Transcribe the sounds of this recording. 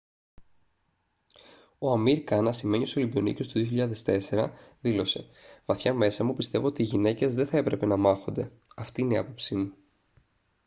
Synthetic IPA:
oɐmiɾkɐnɐsime̞ɲit̪oso̞limbio̞nḭco̞st̪oðioçiʎɐðe̞st̪e̞se̞ɾɐðilo̞se̞vɐθçɐme̞sɐmupist̪e̞vo̞ot̪iːʝine̞ce̞zðeθɐe̞pɾe̞pe̞nɐmɐxo̞nd̪e̞ | ɐft̪iineiɐ̰po̞psimu

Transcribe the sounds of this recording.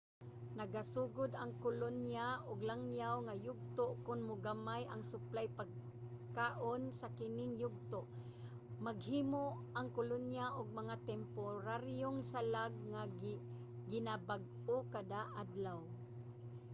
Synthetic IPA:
naɡasuːɡʊd̪aŋkʊlʊnjaʔʊɡlaŋjawŋajʊɡ̚t̪oʔkʊnmʊɡamajaŋsʊplajpaɡ̚ | kaːʔonsakɪnɪŋjʊɡ̚t̪oʔ | maɡhiːmo | aŋkʊlʊnjaʔʊɡ̚mɐŋat̪ɛmpʊɾaɾjoŋsalaɡ̚ŋa | ɡɪnabaɡ̚ | okad̪aʔad̪law

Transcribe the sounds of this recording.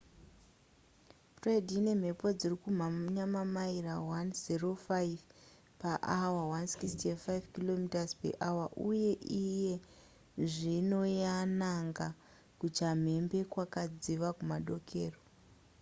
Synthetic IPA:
fredine̞m̤e̞po̞d͡zirikumɲamamairawanziro̞faiv | paʔawawansikistefaivkilo̞mitazpḛʔawaʔuje̞ʔije̞ | ʐino̞janaŋɡa | kut͡ʃam̤e̞mbe̞kwakad͡ziʋakumaɗo̞kʰe̞ːro

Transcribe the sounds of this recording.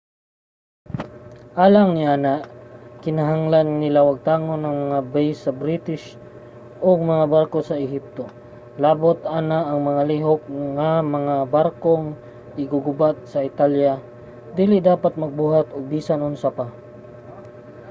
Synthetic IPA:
ʔaːlaŋniʔaːnaʔkɪnɐɦaŋlanːɪlawɐɡ̚t̪aːŋonɐŋmɐŋabɛjsɐbɾit̪ɪʃ | ʔoɡ̚mɐŋabaɾko̞sɐɪɦɪp̚t̪o̞ | laːbot̪aːnaʔːŋmɐŋaliːɦok̚ŋamɐŋabaɾko̞ŋ | ɪɡʊɡʊbat̪̚sɐɪt̪alja | d̪iːlɪd̪aːpat̪̚mɐɡ̚buːɦat̪obiːsanʊnsapa

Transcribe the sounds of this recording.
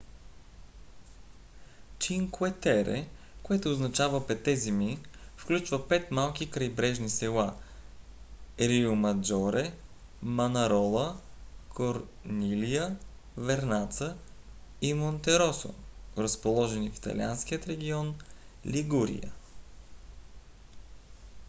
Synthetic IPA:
t͡ʃiŋkwɛt̪ɛɾɛ̰ | koɛt̪oːznɐt͡ʃavəpɛt̪ːɛzimifklʲut͡ʃvəpɛt̪malˠk̟ikɾɐjbɾɛʒnisɛla | ɾiomɐd͡ʒɔɾɛ | mɐnɐɾɔlˠə | kʰoɾ | nilijə | vɛɾnat̪sə | imont̪ɛɾɔso̰ɾəspolˠɔʒɛnifi̥t̪ɐ̰lʲḭa̰nsk̟ijət̪ɾɛɡ̟ʲiɔn | liɡuɾḭjə̰

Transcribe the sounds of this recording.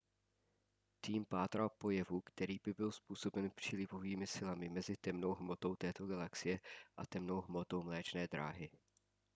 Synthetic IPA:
t̪iːmpaːt̪ɾalpo̞jɛvukt̪ɛɾiːbɪbɪlspuːso̞bɛnpr̥iːlɪvo̞viːmɪsɪlamɪmɛzɪt̪ɛmno̞wɦmo̞t̪o̞wt̪ɛːt̪o̞ɡalaksɪjɛʔa̰t̪ɛmno̞wɦmo̞t̪o̞wmlɛːt͡ʃnɛːd̪ɾa̰ːɦɪ

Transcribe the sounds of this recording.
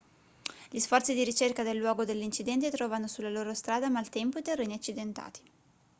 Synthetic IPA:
ʎisfɔrt̪sid̪iɾit͡ʃerkad̪elːwɔːɡod̪elːint͡ʃid̪ɛnt̪et̪ɾɔːvanosulːaloːɾost̪ɾaːd̪amalt̪ɛmpoet̪erːeːniat͡ʃːid̪ent̪a̰ːt̪i̥

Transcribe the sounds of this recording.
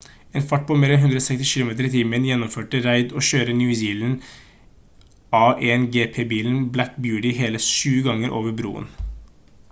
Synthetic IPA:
eːnfɑʈ̚ːpʰɔmeːɾɛnɦʉnd̪ɾəɔːsɛkst̪ɪʃɪlʊmeːt̪̬əɾiːt̪ʰiːmənjɛnːɔmføːʈəɾæɪd̪ɔːɕøːɾənʉːɪsiːln̩ | ɑːʔeːnɡeːpʰeːbiːln̩blækbjʉːɖɪɦeːləʂʉːɡɑŋːəɾʔo̰ːʋəɾbɾṵːə̰n

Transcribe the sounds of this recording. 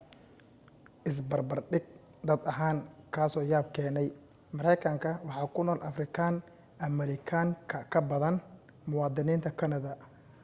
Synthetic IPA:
ʔɪs̬bɐrbɐrɗɪɡ̚ | d̪ɐd̪ɐɦaːnkʰaːsɔːjaːbkʰɛːnɛj | mɐɾɛjkʰɐŋkʰɐwɑħɑːkʰʊnɔːlʔɐfrɪkʰaːn | ʔɐmɛɾɪkʰaːŋkʰɐkʰɐbɐðɐn | mʊwɑːd̪ɪniːnt̪ʰɐkʰɐnɐðɐ

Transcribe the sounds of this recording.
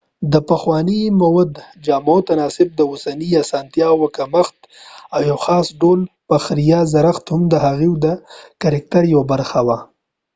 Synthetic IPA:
d̪əpaxwɑnimawad̪d͡ʒɑmot̪anɑsɪb̚d̪əwʊsaniasɑnt̪jɑwakamaxt̪ | awjawxɑsɖolpaxɾijazaɾaxt̪hʊmd̪əhaɣiwd̪əkaɾɪk̚t̪aɾjawabaɾxawa

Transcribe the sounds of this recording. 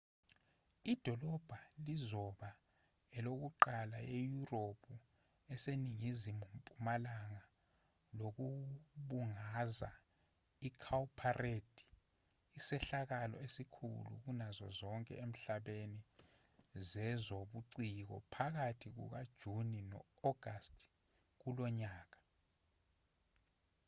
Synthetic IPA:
id̥ʱɔlɔb̥ʱalizɔɓa | ɛlok̬uǃala̰ʔejuropʰʼu | ɛseniŋizimumpʼumalaŋa | lok̬uɓuŋaza̰ | ikʰawupʰared̥ʱi̥ | isɛɬak̬alɔ̰esikʰṵlṵk̬unazɔ̰zɔŋkʼɛ̰em̩ɬaɓeni | zɛzoɓuǀik̬ɔ̰pʰak̬atʰik̬ṵk̬ad̥ʒ̥ʱuninɔ̰ɔɡ̥ʱastʰʼ | k̬ulɔɲaːk̬ḁ

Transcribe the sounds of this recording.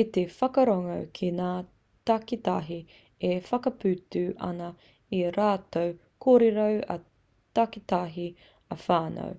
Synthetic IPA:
it̪efɐkɐɾoŋokʰinaː | takitaɦi | efɐkɐpʉːtʉʔɐ̰nɐ | iɾaːtow | kʰoːɾeɾowɐ̰ | takitaɦi | ɐfaːno̰w

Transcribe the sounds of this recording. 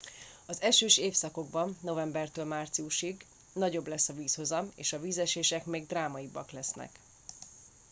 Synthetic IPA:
ɒzɛʃøːʃeːfsɒko̞ɡ̚bɒnːo̞vɛmbɛrt̪øːlmaːrt̪siuʃiɡ | nɒɟo̞blɛsːɒviːsho̞zɒmeːʃɒviːzɛʃeːʃɛkmeːɡ̚d̪raːmɒibːɒklɛsnɛ̰k

